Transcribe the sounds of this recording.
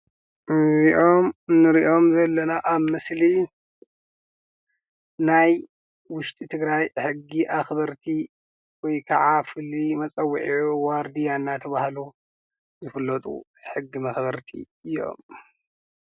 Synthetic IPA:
iʔo̞mɨnːɨɾiʔo̞mzɐlːɐnaʔaβmɨsli | naj | wʊʃt̪ʼit̪ʰɨɡɾajħɨɡːiʔaxbɐɾt̪ʰi | wɔjkʰɐʕafɨlːimɐt͡sʼɐwːiʕiʕuwaɾd̪ijanːat̪ʰɐβahlu | zɨfɨlːɐt̪ʼṵħɨɡːimɐxbɐɾt̪ʰḭ | ɨjo̞̰m

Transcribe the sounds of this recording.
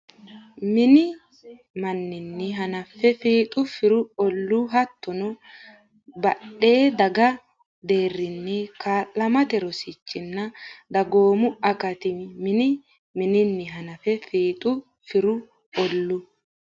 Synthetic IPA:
mɪnɪ | mɐnːɪnːɪɦɐnɐfːɛfiːt̪ʼʊfɪɾʊɔlːuɦɐt̪ːɔnɔ | bɐɗːe̞ːd̪ɐɡɐ | d̪e̞ːrːɪnːɛkaːʔːɐmɐt̪ɛɾɔsɪt͡ʃːɪnːɐd̪ɐɡoːmʊɐkɐt̪ɪmɪnɪ | mɪnɪnːɪɦɐnɐfɛfiːt̪ʼʊ | fɪɾʊ | ɔlːʊ

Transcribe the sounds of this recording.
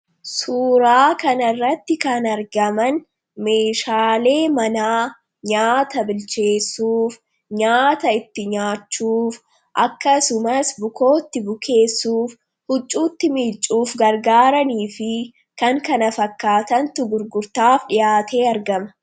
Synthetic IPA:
suːɾaːkɐnɐrːɐt̪ːɪkɐnɐɾɡɐmɐn | me̞ːʃaːle̞ːmɐnaː | ɲaːt̪ɐbɪlt͡ʃe̞ːsːuːf | ɲaːt̪ɐɪt̪ːɪɲaːt͡ʃːuːf | ʔɐkːɐsʊmɐsbʊko̞ːt̪ːɪbʊkʰe̞ːsːuːf | hʊt͡ʃʼːuːt̪ːɪmiːt͡ʃʼːuːfɡɐɾɡaːɾɐniːfɪ | kɐŋkɐnɐfɐkːaːt̪ɐnt̪ʊɡʊɾɡʊɾt̪aːfᶑɪjaːt̪ʰe̞ːɐɾɡɐmɐ̥

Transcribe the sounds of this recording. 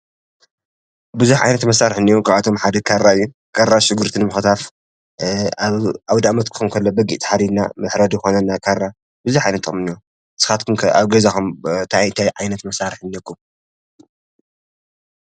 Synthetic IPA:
bɨzuħʕa̰jnɐt̪mɐsaɾɨħɨnːiokʰaβat̪ʰo̞mħad̪ɐkʰaɾːaɨjːu | kʰaɾaʃɨɡɨɾt̪ʰɨnmɨxɨt̪ʰaf | aaβd̪amɐt̪̚kʰɨ̥xɐmkʰɐlːobɐɡḭʔt̪ʰi̥ħaɾid̪na̰mɨħɾɐd̪jɨxo̞nɐnakʰarːa | bɨzuħʕajnɐt̪ʼːɨxʼmɨnijo | sɨ̥xat̪kʰumkʰaβɡɐzaxumt̪ʰajɨnt̪ʰajʕajnɐt̪mɐsaɾɨħɨnːɐkʰːum

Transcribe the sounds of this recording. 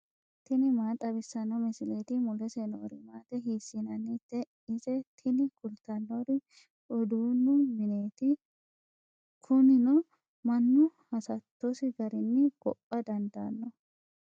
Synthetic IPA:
t̪ɪnɪmaːt̪ʼɐbɪsːɐnːɔmɪsɪleːt̪ɪmʊlɛsɛno̰ːɾɪmaːt̪ɛɦiːsːinɐnːɪt̪ːɛ | ɪsɛt̪ʰɪnɪkʊlt̪ɐnːoɾɪ | ʊd̪uːnːʊmɪneːt̪ɪ | kʰʊnɪnɔ | mɐnːʊhɐsɐt̪ːɔsɪɡɐɾɪnːɪb̥ɔ̰pʼːɐd̪ɐnd̪a̰ːnːɔ

